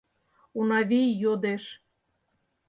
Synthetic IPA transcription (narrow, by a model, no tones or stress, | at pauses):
unɑβʲijjod̪eʃ